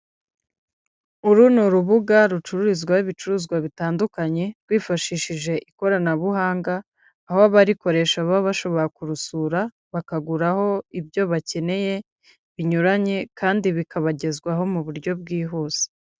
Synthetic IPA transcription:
uɾuːnuɾuβuɡaɾut͡ʃuɾuɾizɡwahiβit͡ʃuuːzɡwaβitaːndukaɲe̞ɾɡwiːfaʃiʃiʒe̞ʔiko̞ɾanaβuɦaːŋɡaː | hoaβaɾiko̞ɾe̞ʃaβaβaʃo̞βo̞ɾakuɾusuːɾa | βakaɡuɾaho̞ibɟo̞βace̞ne̞je̞ | βiɲuɾaɲe̞kʰaːndiβikaβaɟe̞zɡwaɦo̞muβuɾɟo̞bɡiːɦuːz̥e̥

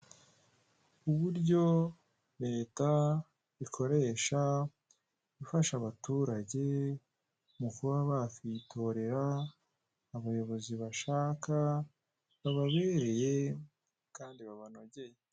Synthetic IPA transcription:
kuβuɾɟo̞ | ɾe̞ːta | βikʰo̞ɾe̞ʃa | βifaʃaβatuːɾaɟe̞ | mukuβaβafitʰo̞ɾe̞ɾaː | βajo̞βo̞ziβaʃaːka | βaβaβe̞ːɾe̞je̞ | kaːndiβaβano̞ɟe̞je

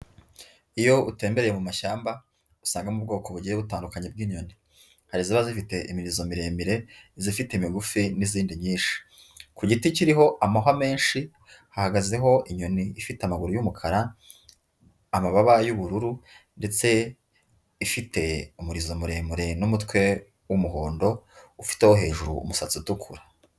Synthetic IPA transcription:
ijo̞ute̞ːmbe̞ɾejemumaʃaːmba | usaːŋɡamub̚ɡo̞ːkoβuɟieβutaːndukaɲeb̚ɡiːɲo̞ni | haɾiziβazifite̞ʔimiɾizo̞miɾeːmiɾe̞zifiteimiɡufiniziːndiɲiːnʃi̥ | kuɟiticiɾiɦo̞ʔamaɦwame̞ːnʃi | hahaɡaze̞ɦo̞iɲo̞niifiteamaɡuɾujumukʰaɾa | amaβaβajuβuɾuɾunde̞t͡se̞ | ifite̞umuɾizo̞muɾe̞ːmiɾe̞numutkwe̞ | wumuɦoːndo̞ufi̥te̞ho̞ɦe̞ːʒuɾṵːmusat͡situkʰuɾa

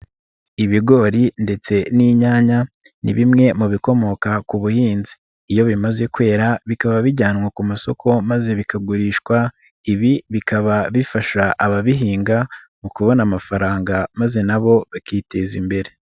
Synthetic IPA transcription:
iβiɡo̞ɾinde̞t͡se̞niɲaːɲa | nḭβimŋe̞muβiko̞mo̞kakuβuhiːnzi̥ː | jo̞βimaze̞kwe̞ːɾaβikaβaβiɟaːnŋwakumaso̞kʰo̞maze̞βikaɡuɾiːʃkwa | iβiβikaβaβifaʃaʔaβaβiɦiːŋɡa | mukuβo̞namafaɾaːŋɡamaze̞naβo̞βakite̞zimbe̞ɾe̞

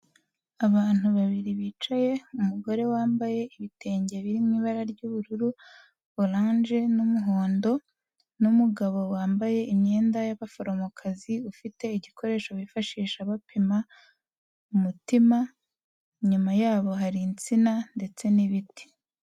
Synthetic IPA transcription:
aβaːn̥uβaβiɾiβiːt͡ʃaje̞umuɡo̞ɾe̞waːmbaje̞ʔiβite̞ːɲɟe̞βiɾimŋiːβaɾaɾɟuβuɾuɾuː | ɾaːnʒe̞numuɦoːndo̞ | numuɡaβo̞waːmbaje̞ʔimɲe̞ːndajaβafo̞ɾo̞mokʰaziufite̞iɟikʰo̞ɾe̞ːʃoβifaʃiːʃaβapʰima | umutima | ɲumajaːβo̞ɦaɾint͡sinande̞t͡se̞niβiti̥

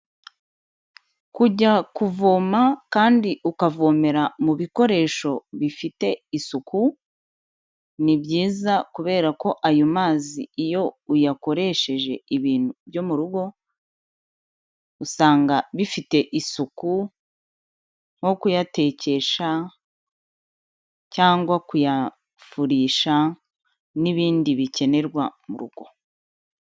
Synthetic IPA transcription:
kuɟakuvo̞ːmakaːndiʔukavo̞ːme̞ɾamuβiko̞ɾe̞ːʃo̞βifite̞isuku | nibɟiːzakuβe̞ːɾako̞ʔajomaːzḭːjo̞ujako̞ɾe̞ʃe̞ʒe̞iβiːn̥hubjo̞muɾuɡo̞ | usaːŋɡaβifite̞ʔisuku | ŋ̥ho̞kujate̞ːce̞ʃa | caːŋɡwakuja | fuɾiːʃa | niβiːndiβice̞ne̞ɾɡwamuɾṵɡo̞

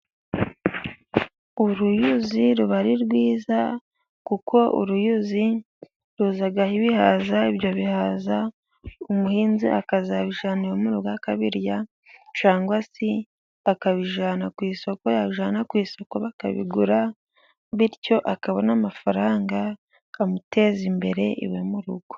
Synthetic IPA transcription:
uɾujuziɾuβaɾiɾɡwiːza | kuko̞ṵɾujuzi | ɾuzaɡahiβihaːzaiβjo̞βihaːza | umuhiːnzḭʔa̰kazaβiʒaːnijomuɾuɡakaβiɾja | t͡ʃaːŋɡwasi | akaβiʒaːnakwiːso̞kojaβiʒaːnakwiːso̞koβaka̰βḭɡuɾa | βiɾco̞ʔakaβo̞namafaɾaːŋɡaː | mute̞zimbe̞ɾe̞ʔḭβemuɾuɡo̥

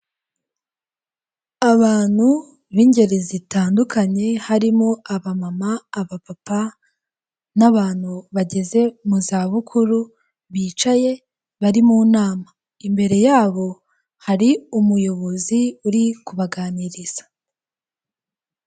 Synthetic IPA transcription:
aβaːn̥hu | βiːɲɟe̞ɾezitaːndukʰaɲe̞haɾimoaβamamaːβapapa | naβaːn̥huβaɟe̞ze̞muzaːβukʰuɾu | βiːt͡ʃaje̞ | βaɾimuːnaːma | imbe̞ɾe̞jaːβo̞ | haɾiumujo̞βo̞ziuɾikuβaɡaːniɾiz̥ḁ

